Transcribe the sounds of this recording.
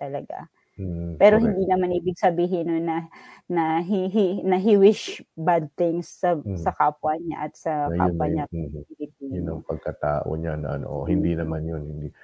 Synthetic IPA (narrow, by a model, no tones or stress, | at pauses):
t̪ɐlɐɡa̰ | pɛːɾoɦɪnd̪iːnɐmanʔiːbɪɡ̚sɐbiːɦɪnːonɐnɐɦɪɦɪnɐɦɪwɪʃbad̪̚t̪ɪŋsːɐsɐkaːpwɐɲa̰ʔɐt̪̚sɐka̰ɐ̰ɲaɪlɪd̪̚iʊnɐŋpɐɡ̚kɐt̪aːʔo̰ɲanɐʔɐ̰no̰ʔohɪnd̪inɐmanjonhɪnd̪i